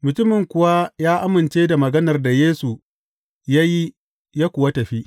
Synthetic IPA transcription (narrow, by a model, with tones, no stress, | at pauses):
mʊ˨tʊ˦mɪ˨ŋkʷʊ˦wa˦jaː˦ʔa˦mɪ˨nt͡ʃeː˦da˨mɐ˨ɡɐ˦nɐ˨rda˨jeː˦su˨ | ja˦ji˦ | jaː˦kʷʊ˨wɐ˦tɐ˨ɸi˦ʔ